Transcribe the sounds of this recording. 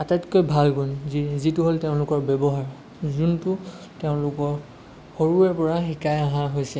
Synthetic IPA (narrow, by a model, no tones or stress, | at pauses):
atatkojbʱalɡunzizituɦolteʊ̃lʊkɔɹbɛbɔɦaɹ | zuntʊ | teʊ̃lʊkɔɹ | xoɹuɛɹpɔɹaxikajaɦãɦojsɛ